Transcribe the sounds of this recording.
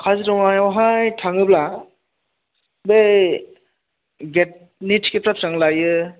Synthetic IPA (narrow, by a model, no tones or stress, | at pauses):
kʰazitɔwajawɦajtʰaŋɯbla | be | ɡet̚ | nitʰkepɾap̚saŋlajɯ